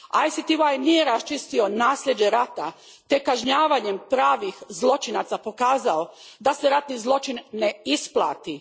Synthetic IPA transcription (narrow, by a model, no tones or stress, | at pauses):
ajsit̪iuajnijeɾast͡ʃist̪io̞naːsʎʲed͡ʑe̞ɾat̪a̰ | t̪ekaʒɲaːʋaɲempɾaːʋixzlˠo̞t͡ʃinat̪sapo̞kaːzao̞d̪aseɾat̪nizlˠo̞t͡ʃinːeisplˠa̰ːt̪i